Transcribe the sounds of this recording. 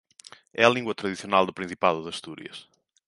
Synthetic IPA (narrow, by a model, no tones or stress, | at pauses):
ɛɐlˠĩŋɡwɐt̪ɾɐðisiunalˠd̪ʊpɾĩsipaðʊðɐʃt̪uɾḭɐ̰ʃ